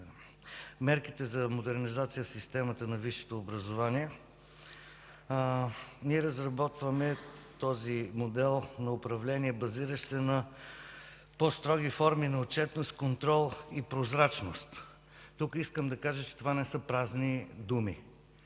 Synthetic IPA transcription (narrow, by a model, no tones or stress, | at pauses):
mɛɾkit̪ɛzɐmod̪ɛɾnizat̪sijəfsist̪ɛmət̪ənɐviʃi̥t̪oːbɾəzovaniɛ | niɛɾəzɾɐbɔt̪vəmɛt̪ɔzimod̪ɛlˠnɐʊpɾɐvlɛniɛbɐziɾəʃsɛnɐ | pɔst̪ɾɔɡifɔɾminɐot͡ʃɛt̪nost̪̚kont̪ɾɔlˠipɾozɾat͡ʃnost̪ː | ukiskəmd̪ɐkaʒət͡ʃɛ̥t̪ovanɛsɤpɾaznid̪umi